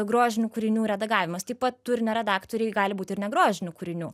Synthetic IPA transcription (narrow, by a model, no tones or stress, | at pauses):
ɡɾoːʒʲɪnʲuːkʊɾʲɪnʲuːɾʲɛd̪ɐɡɑːʋʲɪmɐst̪ɐɪpɐt̪t̪ʊɾʲnʲɛɾʲɛd̪ɑːkt̪oɾʲɛɪɡɑːlʲɪbuːt̪ʲɪɾnʲɛɡɾoːʒʲɪnʲʊkʊɾʲɪnʲuː